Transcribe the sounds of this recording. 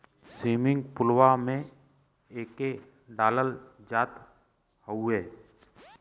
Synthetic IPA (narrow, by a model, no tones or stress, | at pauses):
siːmɪ̃ŋɡpʊlwamẽ | eːke | ɖaːləld͡ʒaːt̪ | həuɦeː